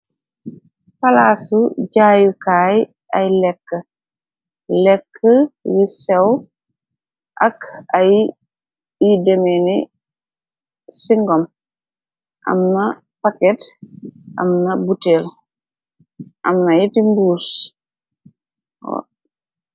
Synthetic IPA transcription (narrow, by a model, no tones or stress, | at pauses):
falaːsuɟaːjukaːj | ʔajlɛkːə | lɛkːəjisɛw | ʔɐkaj | idɛmɛni | siŋɡɔm | ʔa̰mnɐ | pakɛt | ʔɐ̰mnɐbutɛːl | ʔɐmnɐjitimbuːs | ɔ̰